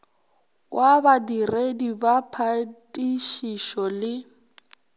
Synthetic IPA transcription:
wʔabadiredibapʰatʼiʃiʃɔlɪ

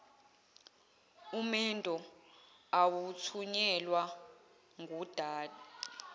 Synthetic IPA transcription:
umɛntʼɔ | awut͡sʰuɲɛlwa | ŋʱud̥ʱaːdɔ

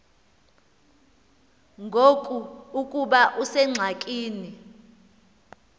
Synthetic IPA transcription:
ŋɡʱokʼuukʼuɓaʔusɛŋ͡ǀʱakʼiːni

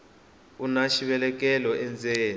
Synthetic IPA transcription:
unaʃiɓɛlɛk̬ʼɛlɔɛnd͡zʱeːn

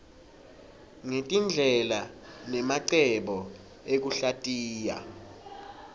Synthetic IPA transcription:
ŋetʼind͡ɮʱɛlanɛmaǀɛɓɔ | ek̬uɬatʼiːja̰

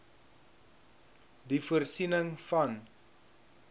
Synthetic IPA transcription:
difuərsinəŋfɐn

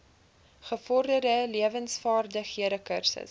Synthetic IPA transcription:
χəfɔrdərdəliəvənsfɑːrdəχiəɾəkərsə̰s

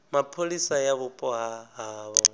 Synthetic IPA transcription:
mapʰolisajaβʊpʼɔɦaɦaːβɔ

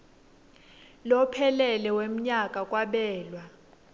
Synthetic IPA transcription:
lɔpʰɛlɛlɛwem̩ɲakʼakʼwaɓɛːlwa

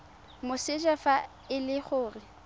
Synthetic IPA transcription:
mʊsɪd͡ʒafa | ɪlɪχʊːrɪ

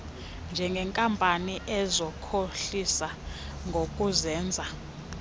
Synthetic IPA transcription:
nd͡ʒʱɛŋɡʱɛŋkʼampʼaniʔɛzɔkʰoɬisa | ŋɡʱokʼuzɛːnd͡zʱa

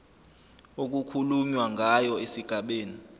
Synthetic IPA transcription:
ok̬ukʰulumwaŋʱajɔesiɡ̥ʱaɓeːni

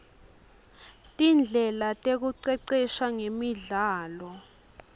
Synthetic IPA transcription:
tʼind͡ɮʱɛlatʼek̬uǀɛǀɛʃaŋemiɮaːlɔ

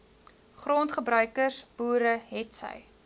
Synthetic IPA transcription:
χrontχəbrœɥkərsb̥uːɾəɦɛtsə̰j

